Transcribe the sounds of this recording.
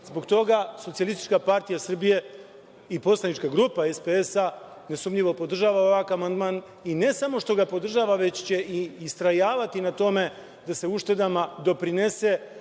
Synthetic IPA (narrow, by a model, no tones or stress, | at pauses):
zbo̞ɡt̪o̞ɡaso̞t̪ialˠist̪it͡ʃkapaɾt̪ijasr̩bije̞ | ipo̞slˠanit͡ʃkaɡɾupae̞speesa | ne̞sumʎiʋo̞po̞d̪r̩ʒaːʋao̞ʋakamand̪man | ine̞samo̞ʃt̪o̞ɡapo̞d̪r̩ʒaːʋaʋe̞t͡ɕt͡ɕe̞iːst̪ɾajaːʋat̪inat̪o̞me̞ | d̪ase̞uʃt̪e̞d̪amad̪o̞pɾine̞se